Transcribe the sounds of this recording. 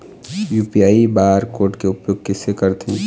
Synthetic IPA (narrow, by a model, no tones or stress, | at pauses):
juːpiaːibaːɾkoːɾʈkeʊpjoːɡ̚kɪsekəɾt̪ẽ